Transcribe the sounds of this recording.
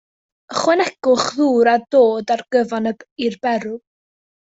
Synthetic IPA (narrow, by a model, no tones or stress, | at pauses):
əχwɛnɛɡʊχðuːɾadoːdarɡ̥əvanəirbɛɾʊ